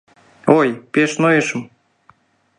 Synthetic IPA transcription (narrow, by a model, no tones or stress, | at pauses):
ojpʲeʃnojəʃə̆m